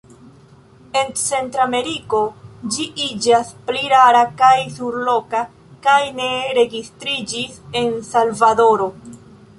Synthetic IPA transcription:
e̞nt͡se̞ntɾame̞ɾiko̞d͡ʒiʔid͡ʒaspliɾaɾakajsuɾlo̞ka | kajne̞ɾe̞ɡistɾid͡ʒise̞nsalvado̞ɾo̞

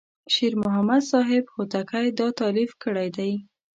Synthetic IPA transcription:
ʃiɾmʊɦamad̪sɑɦɪbxot̪akajd̪ɑt̪ɑlifkəɽajd̪aj

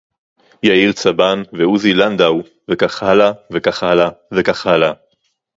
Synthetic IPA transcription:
jaiʁt͡sabanveuziland̪aw | vekaχalavekaχalavekaχala

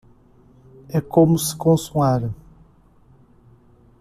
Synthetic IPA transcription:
ɛkõmʊsɪ̥kõsuaɾɐ

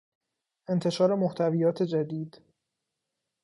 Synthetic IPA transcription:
ʔe̞nt̪ʰeʃɒːɾe̞moht̪ʰævijɒːt̪ʰe̞d͡ʒæd̪iːd̪̥

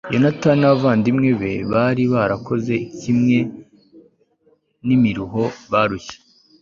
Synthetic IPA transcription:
jonatanaβvaːndimŋe̞βe̞βaɾiβaɾako̞ze̞ikimŋe̞ | nimiɾuɦo̞βaɾuçe̥

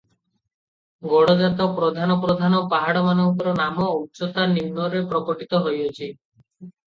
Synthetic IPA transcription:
ɡɔɽɔd͡ʒat̪ɔpɾɔd̪ʱanɔpɾɔd̪ʱanɔpaɦaɽɔmanɔŋkɔɾɔnamɔuʃɔt̪animːɔɾepɾɔkɔʈit̪ɔɦojot͡ʃʰi

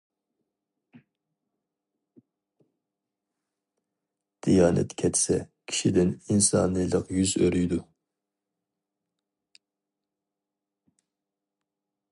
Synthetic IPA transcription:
d̪̥ijɑːnʔɛ̰t̪kʲʰɛt̪ʰsɛkʲʰi̥ʃid̪ɪninsɑ̰ːnɨjlˠəqjyzøɾyjd̪u

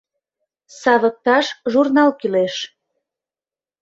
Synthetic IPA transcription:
sɑβək̚t̪ɑʃʒurnɑlkyleʃ

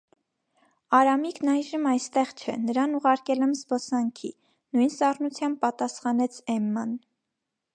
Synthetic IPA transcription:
ɑɾɑmiknɑjʒəmɑjst̪ɛʁt͡ʃʰɛ̰nəɾɑnuʁɑɾkɛlɛmzbɔsɑŋkʰḭ | nujnsɑrnut͡sʰjɑm̚pɑt̪ɑsχɑnɛt͡sʰɛmːɑn

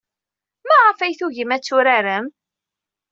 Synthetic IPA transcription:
mæʁafæjθuʝəmæt͡sːʊɾaɾəm

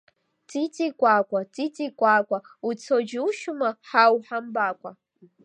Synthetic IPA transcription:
t͡sʼit͡sʼikʷʼaːkʷʼat͡sʼit͡sʼikʷʼaːkʷʼa | ut͡sʰod͡ʒɪwʃʊmaħawħambaːkʷʼa

